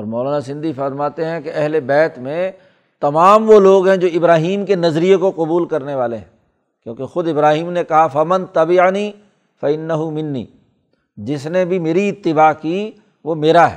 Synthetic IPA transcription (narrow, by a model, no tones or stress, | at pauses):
ɔːɾmɔːlaːnasɪ̃nd̪ʱifɐɾmaːt̪eɦɛ̃keɐɦlebɛːt̪mẽ | t̪ɐmaːmʋoloːɡɦɛ̃d͡ʒoːɪbɾaːɦiːmkenɐzɾijekoqʊbuːlkɐɾneʋaːleɦɛ̰̃ | kjõːkexʊd̪ɪbɾaːɦiːmnekɐɦafɐmɐ̃nt̪ɐbɪʕniː | fɐɪnːɐɦʊmɪnːḭː | d͡ʒɪsnebʱimeːɾiɪt̪ːɪbaːki | ʋomeːɾaɦɛ̰ː